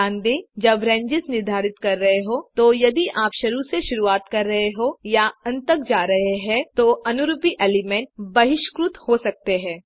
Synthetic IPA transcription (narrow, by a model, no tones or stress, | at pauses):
ãːnd̪id͡ʒɐbɾɛ̃ːɲd͡ʒɪznɪɾd̪ʱaːɾɪt̪kɐɾːɐɦeɦot̪ojɐd̪iʔaːpʃɐɾuseʃʊɾuaːt̪kɐɾːɐɦeɦojaɐ̃nt̪ək̚d͡ʒaːɾɐɦeɦɛ̃t̪oʔɐnʊɾupiʔeːlɪmɛ̃ɳʈbɐɦɪʃkɾʊt̪hosɐk̚t̪eɦɛ̃ː